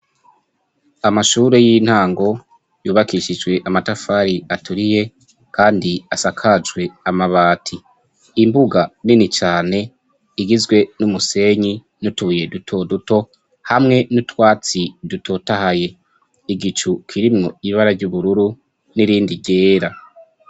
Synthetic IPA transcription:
amaʃuːɾe̞jin̥haːŋɡo̞ | juːβakiʃid͡ʒɡwe̞ʔamatafaɾiatʰuɾije̞ | kaːndiasakʰad͡ʒwe̞amaβaːtʰi | imbuɡaninit͡ʃaːne̞ | iɡizɡwe̞numuse̞ɲi | nutuuje̞dutʰo̞duto̞ | hamŋe̞nutwaːt͡sidutʰo̞tahaje̞ | iɡit͡ʃukʰiɾimŋo̞iβaɾaɾɟuβuɾuɾu | niɾiːndiɟe̞ːɾa

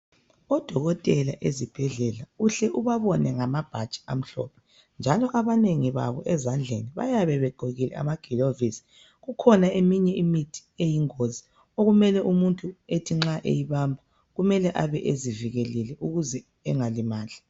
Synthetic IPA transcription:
ɔd̥ʱɔɣɔtʼɛla̰ʔezib̥ʱɛɮɛlauɬɛʔuβaβɔnɛŋamab̥ʱḁt͡ʃʼi̥a̰m̩ɬɔ̰pʰɛ̥ | nd͡ʒʱalɔʔaβaneŋiβa̰βɔʔɛzand͡ɮʱeniβa̰jaβɛβɛɡ͡ǃʱoɣilɛ̰a̰maɡ̥ʱilovisi̥ | ɣukʰɔnaemiɲɛimitʰi̥ejiŋozi | oɣumɛlɛʔumuntʼuetʰiŋ͡ǁaʔḛjiβambʱa | ɣumɛlɛʔaβɛʔeziviɣɛlɛlɛʔuɣuzɛ | ɛŋalimaːɮʱa

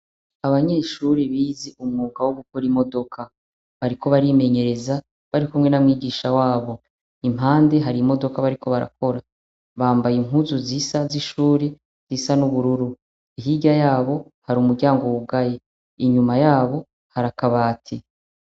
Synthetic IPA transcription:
aβaɲe̞ːʃuːɾeβiːzeʔumŋuːɡawoɡukoɾimo̞do̞kʰa | βaɾiko̞βaɾime̞ɲe̞ɾe̞za | βaɾikumŋe̞namŋiːɡiːʃawaːβo̞ | im̥ɦaːnde̞ɦaɾimo̞do̞kaβaɾiko̞βaɾa̰ko̞ɾa | βaːmbajiŋ̥ɦuzuziːsaziʃuːɾe | z̥isanuβuɾuɾu | iɦiɟajaːβo̞ | haɾumuɾɟaːŋɡoβuɡaje | iɲumajaːβo̞ | haɾakaβaːtʰi

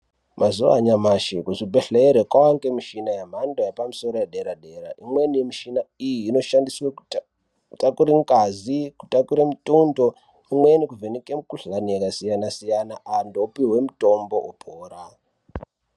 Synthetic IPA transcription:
mʔazuʋa̰ɲamaʃekuʐibʱeɬeɾekwawaŋɡemiʃinajam̤andojepamisoɾojeɗeɾaɗeɾaʔimwe̞nimiʃinaijiːno̞ʃandiswe | takuɾiŋɡaziku̥takuɾemitundo | imwenikuvenikemukuɬanijekasijanasijanaʔandopiwe̞muto̞mboʔopʰoːra

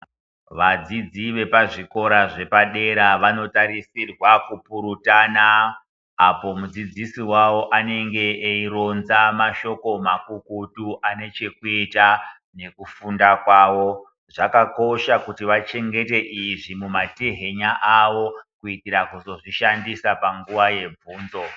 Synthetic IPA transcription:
ʋad͡zid͡ziʋe̞paʐiko̞ɾaʐe̞paɗe̞ɾaʋano̞taɾisirwakupuɾutaːnaː | po̞mud͡zid͡zisiwawo̞ʔane̞ŋɡe̞ːiro̞nzamaʃo̞ko̞makukutuʔane̞t͡ʃe̞kuita | ne̞kufundakwaːwo̞ | ʐakako̞ʃakutiʋat͡ʃe̞ŋɡe̞te̞ʔiʐimumatiɦe̞ɲaʔaʋo̞kuikiɾakuzo̞ʐiʃandisapaŋɡuʋaje̞b͡vuːnzo̞

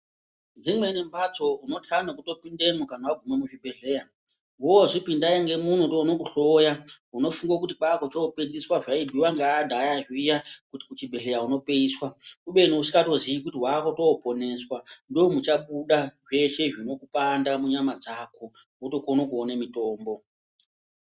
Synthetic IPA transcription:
nd͡zimwe̞nembat͡so̞uno̞tʰan̤okuto̞pindemukan̤awaɡʱumamuʐibʱe̞ɮe̞ːja | ɦowoʐipindaiŋɡe̞mun̤utonokuɬo̞ja | uno̞fuŋɡokutik͡pakot͡ʃoːpendiswaʐaibʱiwaŋɡaːdʱajaʐijakuti̥kut͡ʃibʱe̞ɮe̞jauno̞pe̞iːswakuɓe̞nousi̥kato̞zijikutiɦwakotoːpo̞ne̞swando̞mut͡ʃaɓuɗaʐe̞ʃe̞ʐino̞kupandamuɲamad͡zako̞ | oto̞konokuonemito̞ːmbo̞

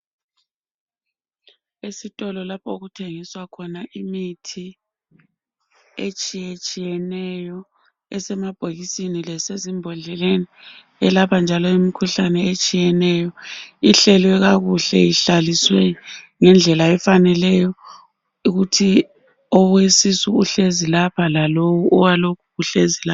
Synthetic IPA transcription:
esitʼɔlɔlapʰɔoɣutʰeŋiswakʰɔnaʔimitʰi | et͡ʃʼijet͡ʃʼijɛnɛjɔ | ɛsɛmab̥ʱoɣisinilɛsezimbʱɔnd͡ɮɛleni | ɛlapand͡ʒʱalɔimikʰuɬanɛet͡ʃʼijɛnɛjɔiɬɛlwɛɣaɣuɬɛ̰jiɬaliswɛŋɛnd͡ɮʱɛlaɛfanɛlɛjɔ | uɣutʰi | ɔɣwesisuuɬezilapʰalalowuɔwalokʰuɣuɬezila

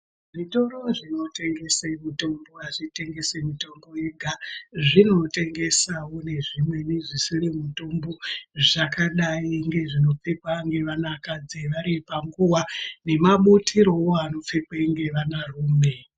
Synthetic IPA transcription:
ʐito̞ɾo̞ʐino̞te̞ŋɡe̞semito̞mboaʐite̞ŋɡe̞semitombojeɡʱaʐino̞te̞ŋɡe̞sawo̞ne̞ʐimwe̞niʐisirimuto̞mbo̞ʐakaɗaiŋɡe̞ʐino̞p͡fekwaŋɡe̞ʋanakad͡zeʋaɾipaŋɡuwane̞maɓutʰiɾo̞woano̞p͡fekweŋɡe̞ʋanaruːme̞

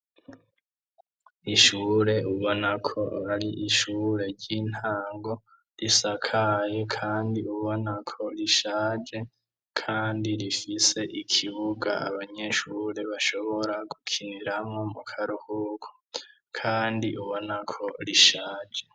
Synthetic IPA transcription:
iʃuːɾe̞uβo̞nakʰo̞aɾiʔiʃuːɾe̞ɾɟin̥haːŋɡo̞ | ɾisakʰaje̞kʰaːndiuβo̞nakʰo̞ɾiʃaːd͡ʒe̞ | kʰaːndiɾifise̞ʔikʰiβuɡa̰a̰βaɲe̞ʃuːɾe̞βaʃo̞βo̞ɾaɡukʰiniɾamŋo̞mukʰaɾuhukʰo̥ | kʰaːndiʔuβo̞nakʰo̞ɾiʃaːd͡ʒe̞

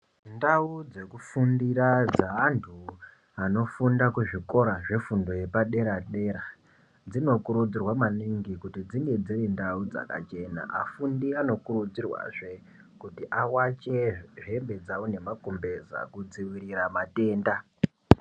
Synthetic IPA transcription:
ndaud͡ze̞kufundiɾad͡zaantʰu | ano̞fundakuʐiko̞ɾaʐefundo̞je̞paɗe̞ɾaɗe̞ːɾa | d͡zino̞kuɾud͡zirwamaniŋɡikutid͡ziŋɡe̞d͡zirindaud͡za̰ka̰t͡ʃe̞na̰ʔafundiano̞kurud͡zirwa̰ʐe̞ | kutiʔawat͡ʃe̞ʐe̞mbe̞d͡zawone̞makombe̞za̰kud͡ziwiɾiramate̞ːnda

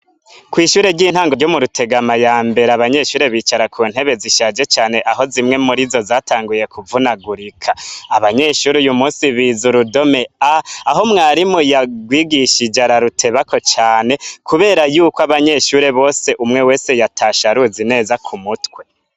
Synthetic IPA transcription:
kwiːʃuːɾe̞ɾɟiːn̥haːŋɡoɾɟo̞muɾutʰe̞ɡamajaːmbe̞ɾeaβaɲe̞ʃuːɾe̞βiːt͡ʃaɾakʰuːn̥he̞βe̞ziʃaːd͡ʒe̞t͡ʃaːne̞ʔaɦo̞zimŋe̞muɾizo̞zaːtʰaːŋɡuje̞kuvunaɡuɾikʰaaβaɲe̞ʃuɾujumuːnsiβizuɾudo̞me̞aaɦo̞mŋaːɾimojaɡwiːɡiʃid͡ʒaɾaɾutʰe̞βako̞t͡ʃaːne̞kʰuβe̞ːɾajuːkoaβaɲe̞ʃuɾe̞βo̞ːse̞ʔumŋe̞we̞ːse̞jatʰaʃaɾuzine̞ːzakʰumutwe̞

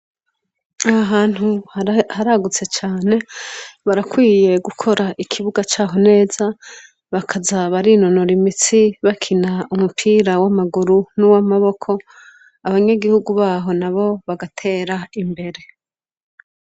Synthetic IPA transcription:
aaɦaːn̥huhaɾaɡut͡se̞t͡ʃaːne̞βaɾakwiːje̞ɡukʰo̞ɾaʔikʰiβuɡat͡ʃaːɦo̞ne̞ːz̥a | βakʰazaβaɾino̞no̞ɾimit͡siβakʰinaumupʰiːɾawamaɡuɾunuwamaβo̞kʰo̞ | aβaɲeɡihuɡuβaːɦo̞naβo̞βaɡatʰe̞ːɾaimbe̞ɾe̞

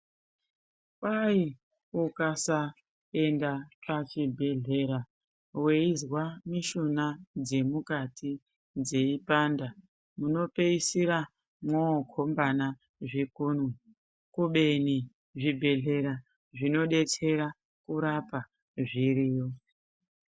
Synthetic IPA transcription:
pai | ukasa | e̞ndapat͡ʃibʱe̞ɮe̞ɾa | we̞izwamiʃunad͡ze̞mukatʰi | d͡ze̞ipanda | muno̞pe̞isiɾa | mwokʰo̞mbana | ʐikunwe | kuɓe̞ni | ʐibʱe̞ɮe̞ɾa | ʐino̞ɗe̞t͡se̞ɾa | kuɾapa | ʐiɾiːjo

